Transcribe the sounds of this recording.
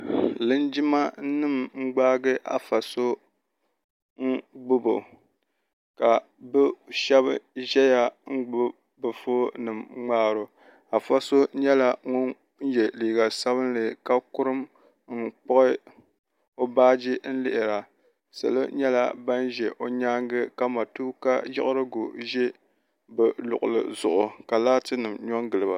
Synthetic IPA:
lɨ˦nd͡ʒɪ˦ma˦nɨ˦˨mŋ͡m̩˦ɡ͡baː˦ɡɨ˦ʔa̰˨fa˨so˦ | ŋ̩˦ɡ͡bʊ˦bo̰˨ | ka˨ | bɨ˦ʃɛ˦βʒɛ˦ja˦˨ŋ̩˦ɡ͡bʊ˦ | bɨ˨foː˦nɨ˨mŋ͡maː˦ɾo˨ | a˨fa˦so˦ɲɛ˦la˦ŋʊ˦n | n̩˦jɛ˨liː˨ɡa˨sa˦βɨ˦nlɨ˨ka˦kʊ˦ɾɨ˦m | ŋ̩˨k͡pɔ˦ʔɪ˦ | o˦baː˦d͡ʒɪ˦n̩˦lɪ˦ʔɪ˨ɾa˨ | sɨ̰˨lɨ̰˦ɲɛ˦la˦ba˦nʒɛ˨ʔo˨ɲaː˦ŋɡɨ˦ka˦ma˨tuː˦ka˦jɪ̰˦ʔʊ˦ɾɨ˦ɡʊ˨ʒɛ˦ | bɛ˨lʊ̰˨ʔʊ˨lɨ̰˨zʊ˨ʔʊ˨ka˨laː˦tɨ˦nɨ˨mɲɔ˦ŋɡɨ˨lɨ˨ba˨

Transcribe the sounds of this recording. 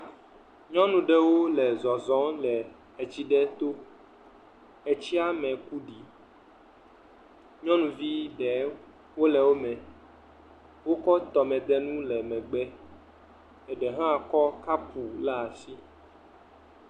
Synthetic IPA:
ɲɔ̃˦nũ˨ɖɛ˨wo˦lɛ˨zɔ˨zɔ̃˨˦lɛ˨ | ɛ˨t͡ɕi˦ɖɛ˦t̪o˦ | ɛ˨t͡ɕi˦a˦mɛ̃˨ku˦ɖi˨˦ | ɲɔ̃˦nũ˨vi˦ɖɛ˨ | wo˦lɛ˨wo˦mɛ̃˨ | wo˦kɔ˦t̪ɔ˨mɛ̃˨d̪ɛ˦nũ˦lɛ˨mɛ̃˨ɡ͡bɛ˦ | ɛ˨ɖɛ˨ɦã˦a˨kɔ˦ka˦pu˨la˦a˨si˦

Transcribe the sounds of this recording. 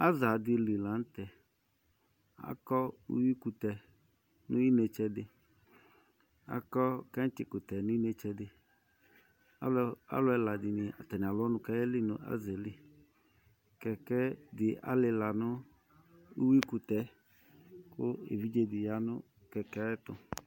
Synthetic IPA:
a˦za˨dɪ˨li˨la˨˦n̩˦t̪ɛ˨ | a̰˨kɔ˦ṵ˦wi˦ku˨t̪ɛ˨ | nʊ˦i˦ne˨t͡ʃɛ˦dɪ˨ | a̰˦kɔ˦kɛ˦tɪ˨kʊ˨t̪ɛ˨nʊ̃˦i˦nɛ˨t͡ʃɛ˦dɪ˨ | a˦a̰˦lʊ˦ɛ˦la˨dɪ˨nɪ˨a˨t̪ɛ˨nɪ̃˨a˨lɔ˦nʊ̃˦ka˦jɛ˦lɪ˦nʊ̰̃˨ʔa̰˦zɛ˨lɪ˦ | kɛ˨kɛ˦dɪ˨ʔa̰˦lɪ˧la˨nʊ˦ | u˦wi˦ku˨t̪ɛ˨ | kʊ˦ḛ˨vi˦d͡ʒe˦dɪ˨ja˨˦nʊ̃˦ | kɛ˨kɛ˦ɛ˦t̪ʊ˨

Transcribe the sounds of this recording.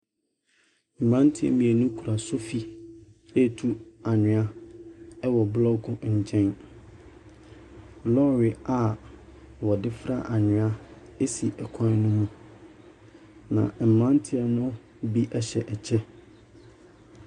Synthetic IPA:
m̩˨mã˦n˦tʰi˦ɛ̰˨mĩ˨e˨nʊ̃˦kʰu˨ɾa˨sʊ˦fi˦ | ɛ˦tʰu˦a˨ɲɪ̃˨a˦ | ɛ˦wɔ˨blɔ˦kʊ̃˦ɲ̩˨t͡ɕʰɛ̃˦n | lɔ˦ɾɪ˨a˨ | wɔ˨dɪ˦fɾa̰˦ʔa˨ɲɪ̃˨a˦ | e˦si˨ʔɛ˨kʰã˦n˦nʊ̃˦mũ˦ | nã̰˨m̩˨mã˦n˦tʰɪ˦ɛ˨nʊ̃˦ | bi˦ʔɛ˦ɕɛ˨ʔɛ˨t͡ɕʰɛ˦

